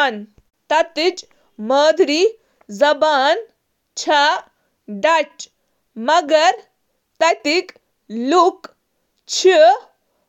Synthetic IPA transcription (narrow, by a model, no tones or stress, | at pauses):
n | t̪ɐt̪it͡ɕ | məːd̪ʱɾi | zɐbaːn | t͡ɕʰa | ɖat͡ʃ | mɐɡɐɾ | t̪ɐt̪ik | luk | t͡ɕʰi